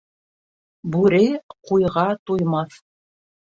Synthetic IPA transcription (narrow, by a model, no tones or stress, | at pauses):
bʉɾɘqujʁɑt̪ujmɑθ